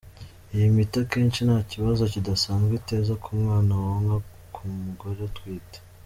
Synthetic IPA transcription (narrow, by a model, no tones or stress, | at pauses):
ijimitake̞ːnʃinaːciβazo̞cidasaːnzɡwite̞ːzakumŋaːnawaŋɡa | kʰumuɡo̞ɾetwiːte̥